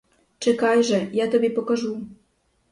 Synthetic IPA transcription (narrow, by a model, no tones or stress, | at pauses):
t͡ʃekɑjʒĕjɑt̪əβepokɑʒu